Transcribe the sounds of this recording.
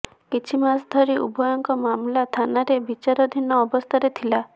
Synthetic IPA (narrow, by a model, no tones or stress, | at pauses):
kit͡ʃʰimasd̪ʱɔɾiʔṵbɔjɔŋkɔmamlat̪ʰanaɾebit͡ʃaɾɔd̪ʱinɔːbɔst̪ʰaɾet̪ʰila